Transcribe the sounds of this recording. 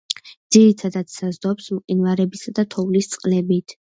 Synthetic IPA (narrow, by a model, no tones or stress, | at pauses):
d̪z̥iɾit̪ʰad̪at̪ssazd̪ɔpsmqʼinvaɾɛbisad̪at̪ʰɔvlist̪sʼqʼlɛbit̪ʰ